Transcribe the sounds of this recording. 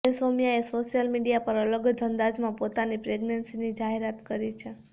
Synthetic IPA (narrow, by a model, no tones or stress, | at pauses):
esomjaesoʃjəlmiɽijapəɾələɡd͡ʒʱənd̪ad͡ʒmãpot̪anipɾeɡnənsinid͡ʒaɦeɾat̪kəɾit͡ʃʰe